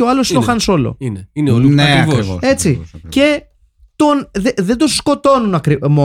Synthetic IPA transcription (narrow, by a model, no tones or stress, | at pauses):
oɐlosit̪oxɐnso̞lo̞̰ineineolnɐeɐvoɾisoe̞t͡sice̞ | t̪o̞nðeðed̪osko̞t̪o̞nunɐkɾimo